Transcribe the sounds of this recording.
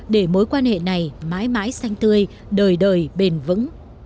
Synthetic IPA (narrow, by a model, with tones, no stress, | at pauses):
ɗe˧˩mo˨˦jkwaː˧nhḛ˧˨na˨˩jma̰ː˧˥jma̰ː˧˥jsa˧jŋ̟t̪ɨ˧əj | ɗəː˨˩jɗəː˨˩jɓe˨˩nvɨ̰˧˥ŋ